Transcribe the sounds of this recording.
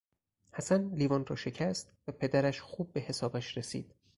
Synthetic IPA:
hæsænliːvɒnrɒːʃe̞cʰæst̪væpʰe̞d̪æɾæʃxuːb̚ːe̞he̞sɒːbæʃɾesḭːd̪̥

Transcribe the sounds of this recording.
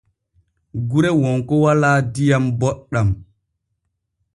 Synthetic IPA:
ɡuɾɛwɔŋkɔwalaːdijambɔɗːam

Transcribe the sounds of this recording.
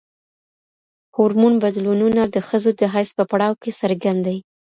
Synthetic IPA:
huɾmunbad̪lununad̪əxəzod̪əɦajspəpaɽɑwkesəɾɡand̪aji

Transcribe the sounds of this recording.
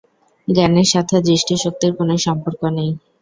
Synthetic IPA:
ɡɛneɾʃat̪ʰed̪ɾiʃʈiʃok̚t̪iɾkonoʃɔmpoɾkonej

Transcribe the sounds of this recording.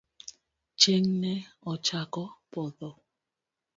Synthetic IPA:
t͡ʃeŋnɛɔt͡ʃakɔpɔðɔ

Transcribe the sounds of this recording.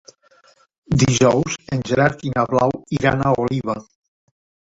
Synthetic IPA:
d̪iʒɔwzenʒeɾaɾk̪inaβlawiɾanaoliβa

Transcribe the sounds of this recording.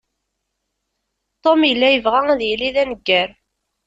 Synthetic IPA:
t̪omjəlːæjəvʁææðjəliðænəɡːæɾ

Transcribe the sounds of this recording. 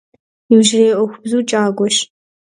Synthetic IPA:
ɪbʒɪreːʔʷɔxʷʊbzuːt͡ʃʼaːɡʷɔʃ

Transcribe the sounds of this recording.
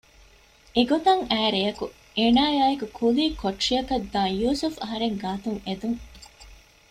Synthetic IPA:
eɡot̪ɐŋæːɾejɐku | eːnaːjaːekukʰuliːkoʈːʂiɐkɐd̪ːãːjuːsufɐɦɐɾeŋɡaːt̪uŋed̪uŋ

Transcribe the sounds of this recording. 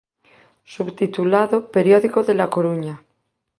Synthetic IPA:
suβt̪it̪ulaðopeɾjoðikoðelakoɾuɲa

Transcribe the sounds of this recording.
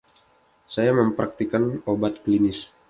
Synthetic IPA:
sajaməmpɾʔak̚t̪ikanobat̪̚klinɪs

